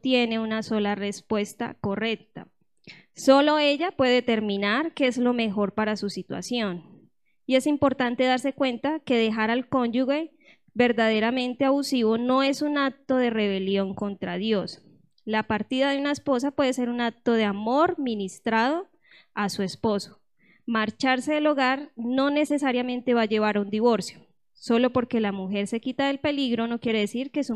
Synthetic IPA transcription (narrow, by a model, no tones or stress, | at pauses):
t̪jene̞unaso̞lare̞spwe̞st̪a̰ko̞re̞k̚t̪a̰ | so̞lo̞e̞ʝapwe̞ðet̪e̞ɾminaɾke̞ezlo̞me̞xo̞ɾpaɾasusit̪wa̰sjo̞n | ie̞simpo̞ɾt̪ant̪e̞ðaɾse̞kwe̞nt̪ake̞ðe̞xaɾalko̞nd͡ʒuɣe̞ | be̞ɾd̪að̞e̞ɾamẽ̞nt̪eaβusiβo̞no̞e̞sunak̚t̪o̞ðe̞re̞β̞e̞ljo̞ŋko̞nt̪ɾaðjo̞s | lapaɾt̪iðaðeunaespo̞s̬apwe̞ðese̞ɾunak̚t̪o̞ðe̞amo̞ɾminist̪ɾað̞o̞ | asue̞spo̞so̥ | maɾt͡ʃaɾse̞ːlo̞ɣaɾno̞ne̞se̞saɾjamẽ̞nt̪e̞βad͡ʒe̞β̞aɾaund̪iβo̞ɾsjo̥ | so̞lo̞po̞ɾke̞lamuxe̞ɾse̞kit̪aðe̞lpe̞liɣɾo̞no̞kje̞ɾe̞ðesiɾke̞su